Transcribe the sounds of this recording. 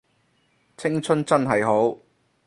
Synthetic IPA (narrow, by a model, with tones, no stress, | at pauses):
t͡sʰɪ˥ŋt͡sʰɵ˥nt͡sɐ˥nɦɐ˨jɦo˨˥w